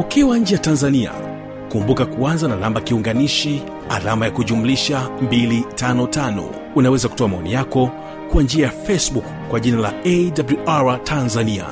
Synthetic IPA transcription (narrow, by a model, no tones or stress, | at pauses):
ukiwaɲ̩d͡ʒɛjatanzania̰ | kumbukakuanzananambakiuŋɡaniʃi | a̰lamajakuʄumuliʃambilitanɔtanɔ̰ | unawɛzaku̥tɔamaɔnḭjakɔ | kwand͡ʒiajafɛsbukː | waʄinala̰ɛdabluaɹatʰanzania̰